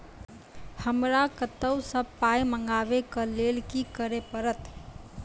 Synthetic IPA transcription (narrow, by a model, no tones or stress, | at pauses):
həmɾakət̪əwsəb̚paiməŋɡaʋekəlelkikəɾepəɾət̪